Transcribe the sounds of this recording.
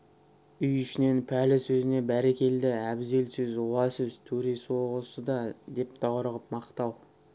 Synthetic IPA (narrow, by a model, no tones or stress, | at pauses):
ʏjʏʃɪne̞npʰælɪsɵzɪne̞bæɾe̞kʲe̞ld̪ɪæbze̞lsʏzwɑsʏzt̪ʰɵɾeswoʁəsəd̪ɑd̪e̞p̚d̪ɑwəɾʁəp̚mɑqt̪ɑw